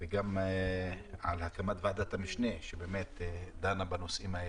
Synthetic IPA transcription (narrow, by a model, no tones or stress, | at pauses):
veɡam | ʕa̰lhakamat̪vead̪at̪hamiʃneʃebeːmet̪d̪anabano̞sʔimae